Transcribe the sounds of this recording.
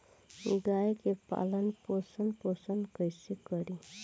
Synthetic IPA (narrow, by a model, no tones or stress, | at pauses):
ɡajkepa̰lənposənposənkəjsikəɾi